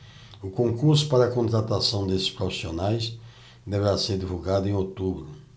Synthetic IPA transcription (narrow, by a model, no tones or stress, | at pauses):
ʊkõŋkuɾsʊ̥paɾɐkõnt̪ɾat̪asɐ̃w̃d̪esɪ̥spɾofi̥sionajs | d̪eveɾaseɾd̪ivuɡad̪ʊẽot̪ubɾʊ